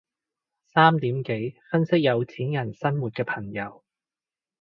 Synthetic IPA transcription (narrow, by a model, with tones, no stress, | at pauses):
saː˥mt̪iː˨˥mke˨˥jfɐ˥nsɪ˥k̚jɐ˨˧wt͡sʰiː˨˥njɐ˨˩nsɐ˥nwuː˨t̚kɛː˧pʰɐ˨˩ŋjɐ˨˧w